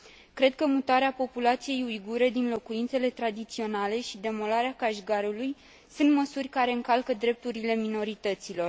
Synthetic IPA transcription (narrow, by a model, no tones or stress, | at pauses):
kɾe̞d̪̚kəmut̪aɾeapo̞pulat̪sije̞jujɡuɾed̪inlo̞kuint̪se̞le̞t̪ɾad̪it̪sio̞nale̞ʃid̪e̞mo̞laɾeakaʃɡaɾuluj | sunt̪məsurʲkaɾe̞ɨŋkalkəd̪ɾe̞p̚t̪uɾile̞mino̞ɾit̪ət̪silo̞r